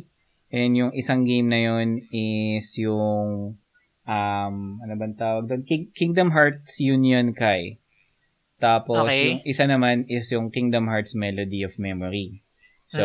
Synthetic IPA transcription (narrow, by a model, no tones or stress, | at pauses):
ʔɛnjʊŋʔɪsɐŋɡejmnɐjo̞nɪsjʊŋ | ʔɐmɐnobɐnt̪aːwɐɡ̚d̪onkikiŋd̪ɐmɦaɹt̪̚sjʊnjonkɐj | t̪aːposjʊŋʔɪsanɐmanɪsjʊŋkiŋd̪ɐmɦaɹt̪smɛlod̪iofmɛmoɹi | so